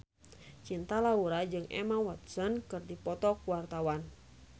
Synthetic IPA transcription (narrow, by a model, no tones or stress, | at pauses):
t͡ʃint̪alauɾad͡ʒɨŋɛ̰mawat̪sənkɨrdipɔt̪ɔkwart̪awan